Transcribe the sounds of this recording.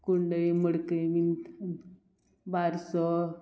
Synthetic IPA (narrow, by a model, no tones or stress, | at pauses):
kuɳɖəjməɽkəjmin | baɾsɔ